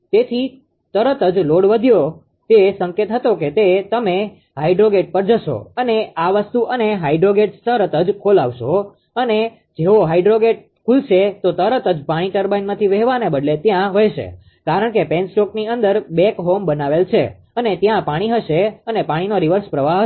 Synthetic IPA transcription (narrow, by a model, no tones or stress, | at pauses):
t̪et̪ʰi | t̪əɾət̪əd͡ʒloɽʋəd̪ʱjo | t̪esəŋket̪ɦət̪oket̪et̪əme | ɦaiɖɾoɡeʈ̚pəɾd͡ʒəʃo̰əneaʋəst̪uʔəneɦaiɖɾoɡeɖst̪əɾət̪əd͡ʒkʰolaʋʃo | əne | d͡ʒeʋoɦaiɖɾoɡeʈ̚ | kʰulʃet̪ot̪əɾət̪əd͡ʒpaɽ̃iʈəɾbajnmãt̪ʰiʋɛɦʋanebəd̪let̪jãʋəjʃḛ | kaɾəɳkepensʈokniənd̪əɾbɛkɦombənaʋelt͡ʃʰḛ | ənet̪jãpaɽ̃iɦəʃeənepaɽ̃inoɾiʋəɾspɾəʋaɦə